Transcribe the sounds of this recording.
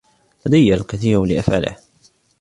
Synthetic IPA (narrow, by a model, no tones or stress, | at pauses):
ʔad̪ajːalkaθiːɾlɪʔafʕa̰lɪ̰h